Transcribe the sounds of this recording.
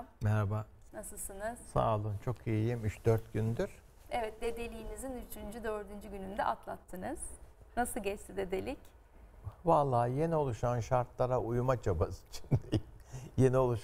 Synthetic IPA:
mɛɾabaː | nasɯlˠsɯnɯz̥sa̰ːlˠɯnt͡ʃʰo̞kʰijijemyt͡ʃd̪øɾt̪ɟynd̪yɾ̥ | evɛt̪̚d̪e̞d̪e̞lʲijinizinyt͡ʃʰynd͡ʒyd̪ø̞ɾd̪ynd͡ʒyɟynymd̪ɛʔat̪lˠat̪ʰːɯnɯz̥nasɯlˠɟɛt͡ʃt̪ʰid̪ed̪e̞lʲic | valˠːaːje̞nio̞lˠuʃanʃaɾt̪lˠaɾaʔujmat͡ʃʰabasi̥t͡ʃʰind̪ejimje̞nio̞lˠuʃ

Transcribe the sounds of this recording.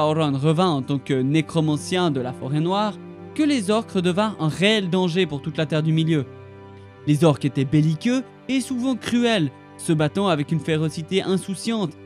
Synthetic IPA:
ɔʁɔnʁəvɛ̃ɑ̃t̪ɑ̃kənɛkχɔmɑ̃sjɛ̃d̪əlafɔʁɛnwaʁ | kəlezɔʁkʁəd̪əvɛ̃ʁɛ̃ʁeɛld̪ɑ̃ʒepuʁt̪ut̪lat̪ɛʁd̪ymiljø | lezɔʁket̪ɛbelikʲø | esuvɑ̃kχyɛl | səbat̪ɑ̃avɛkynfeʁɔsit̪eʔɛ̃susjɑ̃t̪

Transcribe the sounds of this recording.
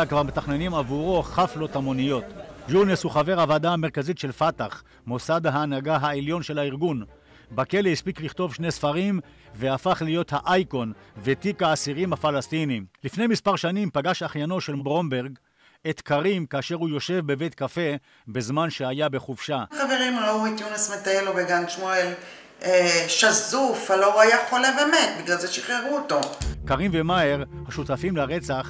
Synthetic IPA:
akvaʁmet̪aχne̞nimavuʁo̞χaflo̞t̪amo̞nijo̞t̪ʒulneshuχave̞ʁavadaame̞ʁkazitʃe̞lfat̪aχ | mo̞sad̪ɦaːnaɡaɦaeljo̞nʃe̞laiʁɡun | bake̞lehispikliχt̪o̞vʃne̞sfaʁim | ve̞afaχlijo̞t̪haʔajko̞nvet̪ikaːsiʁiimhafalast̪inimlifne̞jmispaʁʃanimpaɡaʃaχjano̞ʃelmobʁo̞mbe̞ʁɡ | e̞t̪kaʁimkaːʃe̞ʁhujo̞ʃe̞vbe̞vejt̪kafe̞ | bezmanʃeajabe̞χuvʃaχave̞ʁimʁauet̪junesmet̪aelobeɡanʃmoel | eʃazufalo̞ʁajaχo̞levemet̪biɡlalzeʃiχjeʁuoto̞kaʁimve̞maeʁhaʃut̪afimlaʁe̞t͡saχ

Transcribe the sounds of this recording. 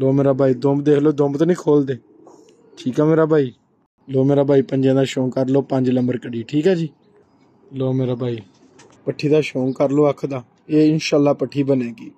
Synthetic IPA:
loːmeːɾaːbʱaːiːd̪õmbd̪eːkʰloːd̪õmbt̪nĩːkʰoːld̪eː | ʈʰiːkɛːmeːɾaːbʱaːiː | loːmeːɾaːbʱaːiːpənd͡ʒãːd̪aːʃoːŋkəɾloːpəɲd͡ʒləmbəɾkəɽiːʈʰiːkɛːd͡ʒiː | loːmeːɾaːbʱaːiː | pəʈʰːiːd̪aːʃoːŋkəɾloːəkʰd̪aː | eːɪnʃaːlːaːpəʈʰːiːbənẽːɡiː

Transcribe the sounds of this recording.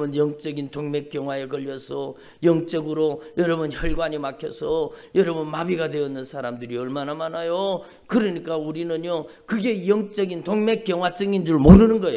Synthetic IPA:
bɯnjʌŋt͡ɕ͈ʌɡintoŋme̞k͈jʌŋɦwaekʌʎːʌsʰʌ | jʌŋt͡ɕ͈ʌɡɯɾojʌɾʌbunçjʌɭɡwaɲimakʰjʌsʰʌjʌɾʌbunmabiɡadwe̞ʌnːɯnsʰaɾamdɯɾiʌɭmanamanajo | kɯɾʌɲik͈auɾinɯnjokɯɡe̞jʌŋt͡ɕ͈ʌɡintoŋmek͈jʌŋɦwat͡ɕ͈ɯŋind͡ʑuɭmoɾɯnɯnɡʌeo

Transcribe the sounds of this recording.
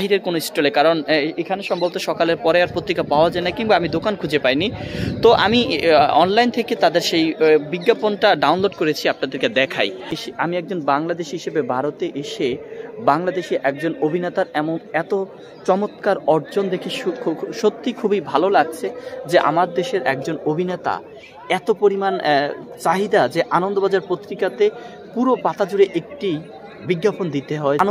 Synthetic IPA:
ɦiɾeɾkonoisʈolekaɾonekʰaneʃɔmbʱobot̪oʃɔkaleɾpɔɾeaɾpɾot̪ːɾikapaoad͡ʑaenakiŋbaamid̪okankʰud͡ʑepajnit̪oʔamiɔnlajnt̪ʰeket̪ad̪eɾʃejbiɡːaponʈaɖawnloɖkoɾet͡ɕʰiapnad̪eɾked̪ɛkʰa̰jeʃamiɛk̚d͡ʑonbaŋlad̪eʃɦiʃebebʱaɾot̪eʔeʃebaŋlad̪eʃeɾʔɛk̚d͡ʑonobʱinet̪aɾɛmonɛt̪o | t͡ɕɔmot̪kaɾɔɾd͡ʑond̪ekʰiʃuʃot̪ːikʰubibʱalolaɡ̚t͡ɕʰed͡ʑeʔa̰maɾd̪eʃeɾɛ̰k̚d͡ʑonobʱinet̪a̰ | ɛt̪opoɾimant͡ɕaɦid̪ad͡ʑeʔanond̪obad͡ʑaɾpot̪ːɾikat̪e | puɾopat̪ad͡ʑuɾeʔek̚ʈi | biɡːapond̪it̪eɦɔe

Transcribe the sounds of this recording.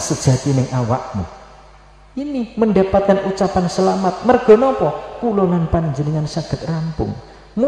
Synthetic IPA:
səd̥ʒ̥ä̤t̪inɪŋʔawa̰ʔmṵ | ʔiniməndapat̪ənʔut͡ʃapansəlamat̪̚mərɡ̥ɔ̤nɔpɔkulolanpand͡ʒonəŋansaɡ̥ə̤t̪̚rampʊ̰ŋ | m

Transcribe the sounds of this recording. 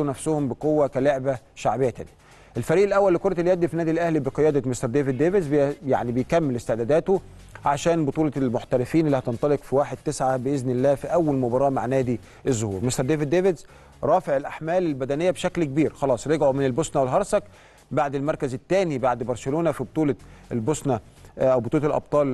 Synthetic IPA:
unæfsʊhʊmbeqowːækæleʕbæʃaʕbejːæt̪æ̰nːi | ʔelfæɾiːʔɪlʔæwːælːikoɾˤɑljæd̪ːifinːæːd̪ilʔæhlibeqejæːd̪æmɪst̪ɑɾˤd̪eːvɪd̪ːeːved̪zbja̰ʕnibejkæmːelɪst̪eʕd̪æːd̪æːt̪o | ʕaʃæːnbot̪ˤuːlɑlmoħt̪æɾɪfiːnʔɪlːiːhæt̪ent̪ˤɑleqfiwaːħed̪̚t̪ːesʕabeʔɪznɪlːæːfiʔæwːælmobɑɾˤɑːmaʕnæːd̪i | ʔezːohṵːɾˤmest̪ɑɾˤd̪eːvɪd̪ːeːved̪z | ɾˤɑːfeʕelʔaħmæːlelbæd̪ænejːæbʃæklk̚biːɾxɑlɑːsˤɾeɡʕomɪnelbosnɑwelɦɑɾˤsɑk | baʕd̪ɪlmɑɾˤkæzɪt̪ːæːnibaʕd̪bɑɾˤʃeloːnæfibot̪ˤuːlɑʔlbosnæ | ʔæwbot̪uːlɑt̪elʔɑ̰b̚t̪ˤɑːl

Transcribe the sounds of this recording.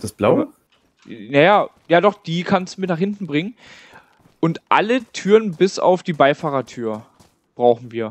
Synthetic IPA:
d̥asb̥laʊə | najaː | jaːdɔχd̥iːkʰansd̥umɪtnaːχhɪntn̩bʁɪŋən | ʔʊntʔa̰lətʰyːʁənbɪsa̰ʊfd̥iːbaɪfaːʁɐtʰyːɐ | b̥ʁaʊxn̩viːɐ

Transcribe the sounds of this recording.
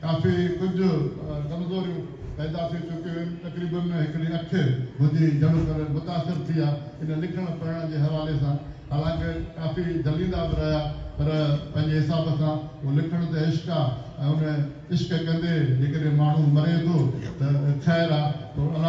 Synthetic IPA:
kaːfikʊd͡ʑʱʊ̆kɐmzoːɾijũ | ɐɪd̪aːfit͡ɕoːket̪ɐkɾiːbənmẽɦɪkɪɽiɐkʰebʱʊd̪ʱiɡʱɐɽ̃kɐɾmʊt̪aːsɪɾt̪ʰiaː | ɪnə̆lɪkʰəɽ̃pɐɾəɽ̃ə̆d͡ʑeːɦɐʋaːles̬ãː | aːlãːkekaːfid͡ʑʱɐlĩːnd̪abɪɾɐɦjapɐɾpɐ̃ɦɪ̃ɲd͡ʑeɦɪsaːbəkʰãulɪkʰəɽ̃t̪eɪʃkaː | ɛ̃ːʊnə | ɪʃkkɐ̃nd̪ed͡ʑeːkəɗẽmaːɳ̤umɐɾet̪ʰot̪ɐxɛːɾaːpɐɾɐn

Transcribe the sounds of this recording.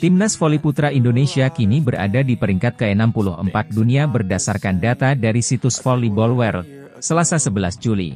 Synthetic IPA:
t̪imnasfoliput̪ɾaʔindonesiakinibəɾa̰dadipəɾiŋkat̪̚kəənampulʊhə̰mpat̪̚duniabərdasa̰rkandat̪adaɾisit̪ʊsfɔlibɔlwɛrd̪̚ | səlasasəbəlasd͡ʒulḭ

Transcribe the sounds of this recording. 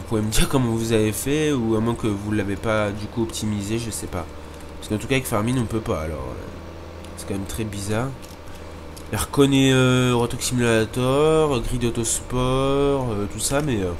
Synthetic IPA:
vupuvɛməd̪iʁkɔmɑ̃vuzavefɛuamwɛ̃kəvulːavepad̪ykuɔpt̪ʰimizeʒəsɛpa | paʁskɑ̃t̪ukavɛkfɛʁminɔ̃pøpa̰ːlɔ̰ʁø̰ | sɛ̥kɑ̃mɛmt̪χɛbizaːʁ | ɛʁkɔnɛøvət̪χyksimylat̪ɔʁɡʁid̪ot̪ɔspɔʁøt̪usamɛø

